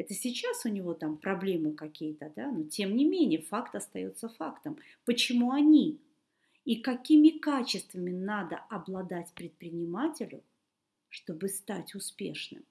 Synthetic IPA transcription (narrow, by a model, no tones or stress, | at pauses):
ɛt̪əsʲɪt͡ɕːasʊnʲɪvo̞t̪ampɾɐblʲe̞mɨkɐkʲijət̪əd̪anutʲe̞mnʲɪmʲenʲɪjəfakt̪ɐst̪ɐjo̞̰t̪səfakt̪əm | pət͡ɕɪmuɐnʲi | ikɐkʲimʲɪkat͡ɕɪst̪vəmʲɪnad̪əɐblˠɐd̪atʲpɾʲɪt̪̚pɾʲɪnʲɪmatʲɪlʲʊ̰ | ʂt̪o̞bɨst̪atʲʊspʲḛʂnɨ̰m